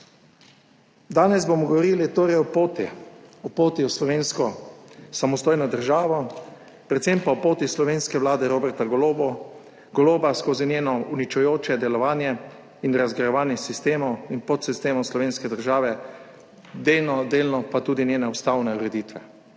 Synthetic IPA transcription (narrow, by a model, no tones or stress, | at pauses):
d̪aːnɛzbomɔɡɔʋɔɾilit̪oːɾɛjɔpoːt̪ḭɔpoːt̪iwslɔʋeːnskɔsamɔst̪oːjnɔd̪əɾʒaːʋɔ | pɾɛt̪sempaɔpoːt̪islɔʋeːnskɛʋlaːd̪ɛɾobɛɾt̪aɡɔloːbɔ | ɡɔloːbaskoːzinjeːnɔunit͡ʃujoːt͡ʃɛd̪ɛlɔʋaːnjɛ | inɾazɡɾɛjɛʋaːnjɛsist̪eːmɔwinpɔt̪sist̪eːmɔwslɔʋeːnskɛd̪əɾʒaːʋɛ | d̪eːlnɔd̪eːlnɔpat̪uːd̪injeːnɛɔst̪aːwnɛuɾɛd̪it̪ʋɛ